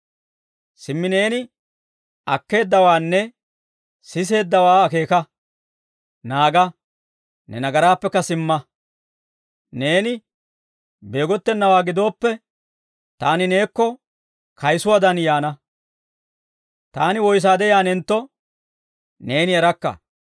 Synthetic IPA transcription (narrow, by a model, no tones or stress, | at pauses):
sɪmːɪne̞ːnɪ | ɐkːe̞ːd̪ːɐwaːnːɛ | sɪs̬e̞ːd̪ːɐwaːɐke̞ːkɐ | naːɡɐ | nɛnɐɡɐɾaːpːɛkːɐsɪmːɐ | ne̞ːnɪ | be̞ːɡɔt̪ːɛnːɐwaːɡɪd̪o̞ːpːɛ | t̪aːnɪne̞ːkːɔ | kʰɐjsʊwad̪ɐnjaːnɐ | t̪aːnɪwɔjs̬aːd̪ɛjaːnɛnt̪ːɔ | ne̞ːnɪɛɾɐkːɐ̰